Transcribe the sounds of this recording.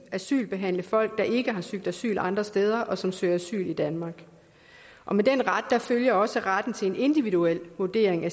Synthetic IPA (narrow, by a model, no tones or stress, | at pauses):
æsy̰ːlb̥e̝ɦæn̰ləfɒ̽l̰ɡ̥̚d̥ɑ̈ʔe̝ɡ̥əɦɑ̈syɡ̥̚d̥æsy̰ːlɑ̈nd̥ʁɐsd̥eːð̞ˠɐʔɒ̽sɒ̽msøɐæsy̰ːlid̥ænmɑ̈ɡ̥ | ʔɒ̽med̥en̰ʁad̥ːɑ̈føljɐɒ̽səʁad̥n̩t͡sʰe̝le̝ne̝nd̥iʋiðuel̰ʋuɐd̥e̝̰ɐ̰eŋæ